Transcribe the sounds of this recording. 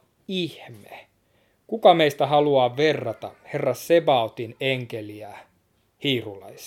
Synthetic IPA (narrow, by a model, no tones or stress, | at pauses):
ihme | kukɑmeist̪æhɑluɑːʋʋerːɑt̪ɑherːɑssebɑot̪ineŋkeliæ | hiːrulɑis